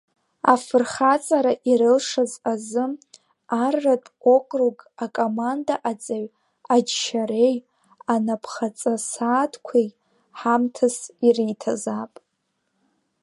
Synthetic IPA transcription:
a̰fɨrχat͡sʼaɾaʔiɾɨlʂazazɨ | arːatʼo̞kʷʼrukʼakʼomandaʔat͡sʼaɥ | ad͡ʒʃaɾe̞j | anapʰχat͡sʼasaːtʰkʷʰe | ħamtʰasiritʰazapʼ

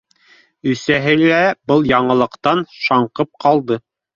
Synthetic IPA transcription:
ɵ̆sæɦɘlæbɤlˠjɑɴɤ̆lˠɤ̆qt̪ɑnʃɑɴqɤp̚qɑlˠd̪ɤ

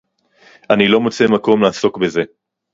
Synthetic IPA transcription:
anilo̞mot͡se̞mako̞mlaːso̞kbe̞ze̞

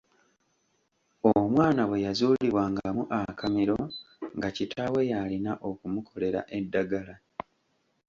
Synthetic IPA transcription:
omwaːnawe̞jazuːliβwaːŋɡamuʔakamiɾo̞ | ŋɡacitʰawe̞jalinaʔo̞kumukʰo̞le̞ɾa̰ʔe̞dːaɡala

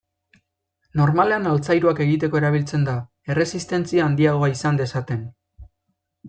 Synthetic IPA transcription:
no̞ɾmale̞analt͡sajɾuake̞ɣ̞it̪̬e̞ko̞e̞ɾaβ̞ilt͡se̞nd̪a | e̞re̞sist̪e̞nt͡siaːnd̪iaɣ̞o̞aisand̪e̞sat̪e̞n

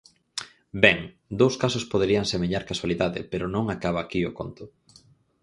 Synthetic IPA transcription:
bɛŋ | d̪owskasʊspoð̞eɾiaŋsemeʎaɾkaswaliðaðɪ̰peɾʊnõŋakaβ̞aːkiʊkont̪ʊ

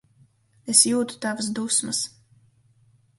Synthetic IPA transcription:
esjuːt̪u̥t̪avasd̪usmɐs

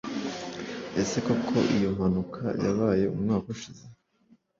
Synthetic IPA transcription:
ese̞kokʰo̞̰ʔijo̞m̥hanukʰa̰ja̰βaːje̞ṵmŋaːkuʃize

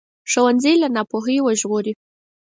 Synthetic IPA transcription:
ʂowand͡zijlanɑpoɦəjwəʒɣoɾi

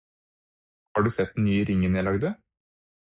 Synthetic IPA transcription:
hɑːɖʉːsɛt̪̚d̪ɛnnyːəɾɪŋːənjæɪlɑɡd̪ə

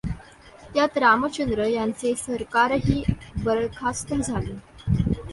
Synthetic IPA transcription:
t̪jat̪ɾamət͡ɕənd̪ɾəjant͡sesəɾkaɾɦiːbəɾəɭkʰast̪əd͡zʱale

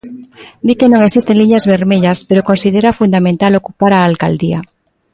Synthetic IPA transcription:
d̪ike̞nõŋesist̪e̞nliɲazβe̞ɾmeʎaspe̞ɾoko̞nsið̞eɾafund̪amẽnt̪alo̞kupaɾaːlkald̪ia

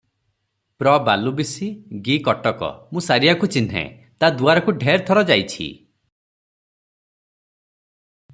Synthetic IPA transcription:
pɾɔbalubisiɡikɔʈɔkɔ̰mũsaɾiakut͡ʃin̤ɦḛ | t̪ad̪uaɾɔkuɖʱeɾt̪ʰɔɾɔd͡ʒajt͡ʃʰḭ

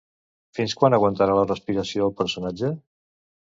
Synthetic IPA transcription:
finskwanəɣwənt̪əɾalərəspiɾəsioðəlˠpəɾsunad͡ʒə

